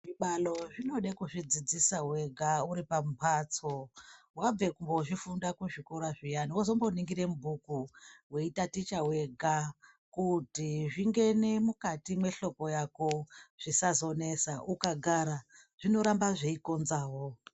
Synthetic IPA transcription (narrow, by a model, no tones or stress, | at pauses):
ʐiɓaloʐino̞ɗekuʐid͡zid͡zisawe̞ɡʱauɾipamupʰaːt͡so | wab͡ve̞kumboʐifundakuʐikoɾaʐijaniozombo̞niŋɡiɾe̞mubʱukuwe̞itatit͡ʃawe̞ɡʱa | kutiʐiŋɡe̞ne̞mukatimwe̞ɬo̞ko̞jakoʐ̥isazo̞ne̞saukaɡʱaɾa | ʐ̥ino̞ɾambaʐeiko̞nzaːwo